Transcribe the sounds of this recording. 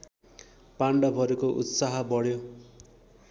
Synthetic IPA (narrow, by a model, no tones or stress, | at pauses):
paɳɖʌbʱʌɾukoʔṵt̪saɦʌbʌɽjo